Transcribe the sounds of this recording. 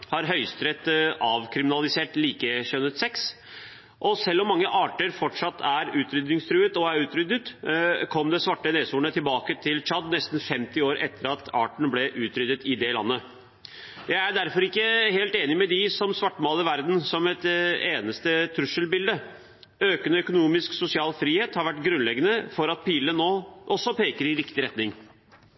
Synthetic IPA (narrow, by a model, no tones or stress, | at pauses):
hɑɾɦœʏst̪ɾɛt̪ɑʋkʰɾɪmɪnɑlɪseːʈliːkəɕœnːət̪sɛks | ʔɔsɛlːɔmːɑŋːəʔɑːʈəɾfɔʈʂɑt̪ːæɾʉːt̪ɾʏd̪nɪŋst̪ʰɾʉːət̪ɔæɾʉːt̪ɾʏd̪ət̪kʰɔmd̪ɛsʋɑʈːəneːsuːɳət̪ʰɪlbɑːkət̪ʰɪlt͡ʃɑd̪nɛst̪n̩fɛmt̪ɪoːɾʔɛt̪ːəɾɑt̪ɑ̰ːʈɳ̩blɛʔʉːt̪ɾʏd̪ət̪ɪd̪ɛlɑ̰nːə | jæɪæɖæɾfɔɾɪkːəheːlt̪eːnɪmɛd̪ɪsɔmsʋɑʈːmɑːləɪʋæɾd̪n̩sɔmɛt̪eːnəst̪ət̪ʰɾʉʂəlbɪld̪ə | øːkənəœkʊnuːmɪsksʊsɪɑːlfɾiːheːt̪hɑɾʋæʈɡɾʉnlɛɡːənəfɔɾɑt̪̚piːlənoːʔɔsːɔpeːkəɾɪɾɪkt̪ɪɾɛt̪nɪŋ